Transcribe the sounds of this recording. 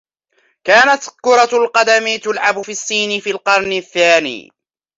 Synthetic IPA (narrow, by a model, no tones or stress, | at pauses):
kaːnat̪kʊɾˤɑlqɑd̪amɪt̪ʊlʕabʊfiːasːiːnɪfiːlqɑɾˤnɪθːaːnḭː